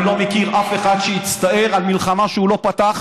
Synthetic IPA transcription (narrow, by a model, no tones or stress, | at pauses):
lo̞mekiʁafe̞χad̪ʃeit͡st̪ae̞ʁalmilχamaʃeulo̞pat̪aχ